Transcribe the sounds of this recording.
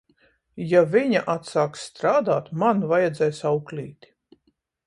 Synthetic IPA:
javiɲaʔat̪saːksːt̪ɾaːd̪aːt̪manvajad̪zɛjsawklʲiːt̪ʲ

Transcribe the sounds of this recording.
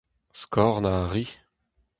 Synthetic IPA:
skɔʁnaʁi

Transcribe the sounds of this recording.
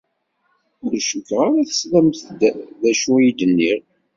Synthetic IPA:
ʊɾʃukʁaɾæθə̥slæmθd̪ðæʃujid̪ənːiɾ

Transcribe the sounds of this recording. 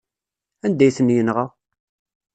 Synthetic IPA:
ænd̪æjθənjənʁa

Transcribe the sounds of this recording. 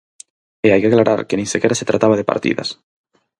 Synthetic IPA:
eajkeaklaɾʔa̰ɾkenĩŋsekeɾaset̪ɾat̪aβ̞að̞epa̰ɾt̪ḭða̰s

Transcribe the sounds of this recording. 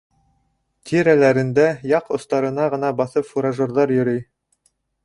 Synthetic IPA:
t̪ʲʰiɾælæɾɘ̆nd̪æjɑqŏst̪ɑɾɤ̆nɑʁɤ̆nɑbɑθɤpfuɾaʒŏrðɑɾjɵ̆ɾɘj

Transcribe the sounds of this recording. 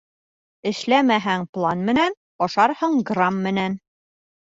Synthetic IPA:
ɘ̆ʃlæmæɦæŋplˠɑnmɘ̆næn | ɒʃɑɾhɤɴɡramːɘ̆næn

